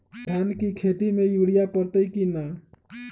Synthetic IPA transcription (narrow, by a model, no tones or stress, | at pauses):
d̪ʱjaːnkikʰeːt̪imẽjuːɽijapəɾt̪əikina